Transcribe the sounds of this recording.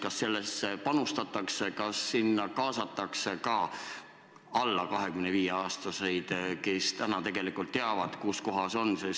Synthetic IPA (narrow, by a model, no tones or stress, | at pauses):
kɑsːe̞lːesepɑnust̪ɑt̪ːˑɑksekɑsːinːɑkɑːsɑt̪ːˑɑksekɑː | ɑlːɑkɑɦe̞kymneviːjeɑːst̪ɑse̞jd̪̥kest̪ænɑt̪e̞ɡ̥e̞likult̪ːeɑvɑd̪̥kusko̞ɦɑso̞nses